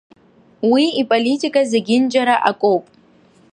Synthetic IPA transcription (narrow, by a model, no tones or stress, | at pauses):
wiipʼolitʰʼikʼazeɡʲɪnd͡ʒʼaɾaʔakʼopʼ